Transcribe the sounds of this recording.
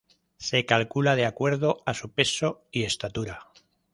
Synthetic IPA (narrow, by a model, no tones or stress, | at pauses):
se̞kalkulað̞eakwe̞ɾð̞o̞asupe̞soie̞st̪at̪uɾa